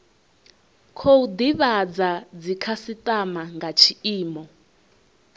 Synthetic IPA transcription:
kʰoud̪iβad͡zad͡zikʰasitʼamaŋɡat͡ʃʰiiːmɔ

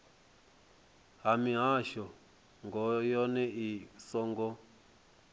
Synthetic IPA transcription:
ɦamiɦaʃɔ | ŋɡɔjɔnɛʔisɔŋɡɔ

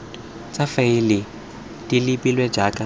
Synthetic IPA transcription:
t͡sʼafailɪ | tʼilipʼilwɛ̥d͡ʒʱakʼa

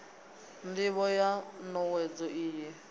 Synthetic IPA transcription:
ndɪβɔjanɔwɛd͡zɔiːjɛ

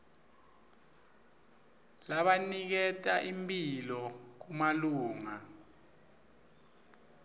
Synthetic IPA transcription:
laɓanik̬ɛtʼaʔimpʼilɔk̬umaluːŋa

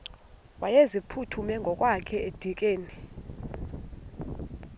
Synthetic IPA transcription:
wajezipʰutʰumɛŋɡʱɔkʼwakʰɛed̥ʱik̬ʼeːni

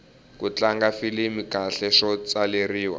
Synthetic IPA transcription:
kut͡ɬaŋɡafilimikaɬɛʂɔt͡saleriːwa̰

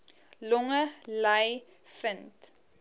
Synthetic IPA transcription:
lɔŋəlaj | fənt

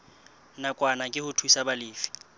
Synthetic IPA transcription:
nakʼwanakʼɪhʊtʰuisabalɪːfi̥

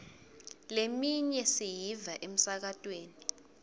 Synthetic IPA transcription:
lemiɲɛsijivaʔem̩sak̬atʼweːni

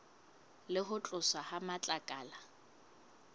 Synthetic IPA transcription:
lɪɦʊt͡ɬʼʊsahamat͡ɬʼakʼaːla

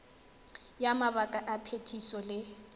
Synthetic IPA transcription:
jamaβakʼaʔapʰetʰisɔlɪ

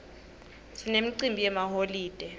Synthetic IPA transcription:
sinemiǀimbʱijɛmaholiːd̥ʼʱɛ

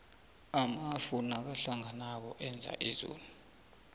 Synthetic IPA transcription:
amafunak̬aɬaŋanak̬ɔʔɛnd͡zʱa̰ʔizo̰ːlu

